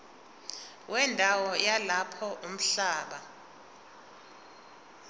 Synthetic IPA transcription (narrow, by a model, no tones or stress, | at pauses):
wʔɛndʱawɔjalapʰɔʔum̩ɬaːɓa